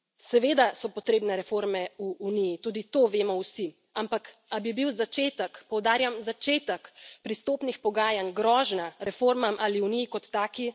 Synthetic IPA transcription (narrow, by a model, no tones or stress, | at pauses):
sɛʋeːd̪asɔpɔt̪ɾeːbnɛɾɛfoɾmɛuːnijit̪uːd̪it̪oːʋeːmɔwsi | ampakabibiwzat͡ʃeːt̪əkpɔwd̪aːɾjamzat͡ʃeːt̪əkpɾist̪oːpnixpɔɡaːjanɡɾɔːʒnaɾɛfoːɾmamʔaliunijikɔt̪ːaːki